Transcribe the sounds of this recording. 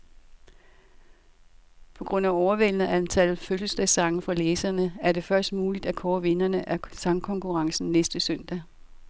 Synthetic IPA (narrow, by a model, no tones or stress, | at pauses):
pʰɒ̽ɡ̥ʁɔ̽n̰æɒʊɐʋel̰nəænt͡sʰælð̩ˠføləsd̥ɛsɑ̈ŋn̩fɑ̈leːsɐnəæɐɾe̝fɶɐsd̥̚muːlid̥ækʰɒːʋe̝nɐnəʔæɐsɑ̈ŋkʰɒ̽ŋkʰuʁɑ̈ŋsn̩nesd̥əsœn̰d̥æ